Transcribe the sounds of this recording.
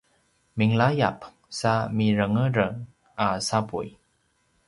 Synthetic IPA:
miŋlajap | samiɾəŋəɾəŋ | ʔasapṵj

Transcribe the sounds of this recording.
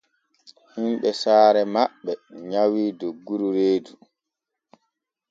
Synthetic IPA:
himɓɛsaːɾɛmaɓːɛɲawiːdoɡːuɾuɾeːdu

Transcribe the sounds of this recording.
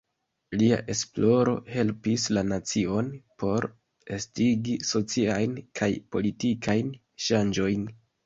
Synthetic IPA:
lia̰ʔe̞splo̞ɾo̞̰he̞lpislanat͡sio̞npʰo̞ɾ | estiɡiso̞t͡siajnkʰajpo̞litikʰajn | ʃand͡ʒo̞jn

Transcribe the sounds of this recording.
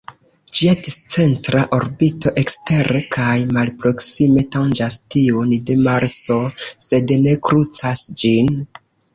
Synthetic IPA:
d͡ʒiadist͡se̞ntɾaʔoɾbito̞ʔe̞kste̞ɾekʰajmalpɾo̞ksime̞tand͡ʒastiundemaɾso̞se̞dne̞kɾut͡sasd͡ʒin

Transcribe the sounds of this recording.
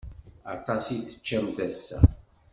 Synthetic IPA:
ɑ̰t̪ˤɑsiθə̥t͡ʃːæmθæsːæ̰

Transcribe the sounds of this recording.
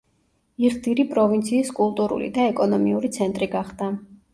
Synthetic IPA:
iʁd̪iɾipʼɾɔvint̪sʰiːskʼulˠt̪ʼuɾṵlḭd̪aɛkʼɔnɔmiuɾit̪sʰɛnt̪ʼɾiɡaχd̪̥a

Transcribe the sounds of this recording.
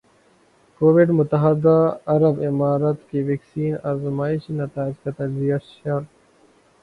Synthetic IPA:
koːʋɪɖmʊt̪ɐɦəd̪aɐɾɐbɪmaːɾət̪keʋeːksiːnazmaːɪʃinɐt̪aːɪd͡ʒkɐt̪ɐzijɐʃɐɾ

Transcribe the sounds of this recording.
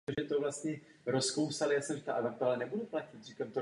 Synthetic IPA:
oʒɛt̪ovlast̪ɲɛ | ɾoskowsalɪjasnɛʒɛ̥t̪a̰ʔavak̚t̪oalɛnɛbuduplacɪt̪rikamt̪o

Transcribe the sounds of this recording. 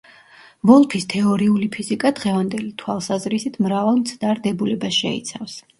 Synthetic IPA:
vɔlˠpʰist̪ʰɛɔɾiulipʰizikʼad̪̥ʁɛvand̪ɛlit̪ʰwalˠsazɾisit̪ʰmɾavalˠmt̪sʰd̪aɾd̪ɛbulɛbasʃɛ̰ḭt̪sʰafs

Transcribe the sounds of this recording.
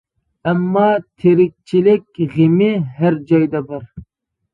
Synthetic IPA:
ɛmːɑt̪ʰeɾɪk̚ʲt͡ʃʰilɪk̚ʲʁemɪɦæɾd͡ʒɑjd̪ɑbɪɾ

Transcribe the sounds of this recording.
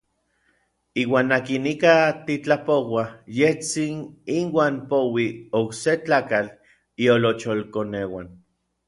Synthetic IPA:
iːwaːnːakinikat̪it͡ɬapowajeht͡sininwaːnpowiokset͡ɬaːkal | iolot͡ʃolkonewa̰n

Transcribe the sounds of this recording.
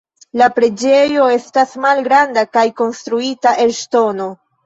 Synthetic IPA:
lapɾe̞d͡ʒe̞jo̞e̞stasmalɡɾandakajko̞nstɾuitaʔe̞lʃto̞no̞

